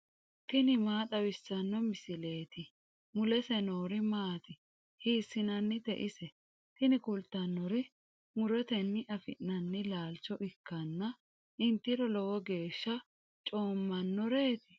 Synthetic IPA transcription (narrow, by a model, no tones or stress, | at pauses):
t̪ɪnɪmaːt̪ɐwɪsːɐnːɔmɪsɪle̞ːt̪ɪ | mʊlɛsɛno̞ːɾɪmaːt̪ɪ | hiːsːɪnɐnːɪt̪ɛ̰ʔɪsɛ | t̪ɪnɪkʊlt̪ːɐnːɔɾɪ | mʊɾɛt̪ɛnːɪʔɐfɪ̰ʔːɐnːɪlaːlt͡ʃːɔʔɪkːɐnːɐ | ʔɪnt̪ːɪɾɔlɔwɔɡe̞ːʃːɐ | t͡ʃʼo̞ːmːɐnːɔɾe̞ːt̪ɪ̥